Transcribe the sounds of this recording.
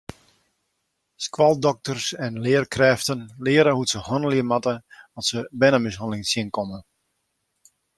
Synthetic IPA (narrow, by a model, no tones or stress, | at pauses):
skwɔlˠdɔk̚tərsɛnlɪːərkrɛːftənlɪəɾəɦutsəhɔnəliəmatəɔtsəbɛnəmɪshɔnlɪŋsjɪnkɔmə